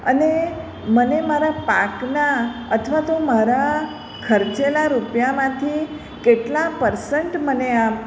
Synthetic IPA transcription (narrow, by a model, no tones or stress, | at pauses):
ə̰ne | mənemaɾapaknaət̪ʰʋat̪omaɾa | kʰəɾt͡ʃelaɾupjamãt̪ʰi | keʈlapəɾsəɳʈməneam